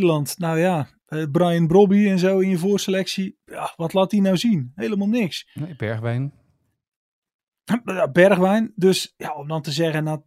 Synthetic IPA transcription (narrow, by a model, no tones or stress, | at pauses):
əlɑntnawja | əbrajənbrobiɛnzowɪnjəvoːrsəlɛksijaʋɔtlaːtinawzinɦejləmalˠnɪksneb̥ɛɹʋɛjn | jabɛrχʋɛjndøsjaomdɔntəzɛɣəna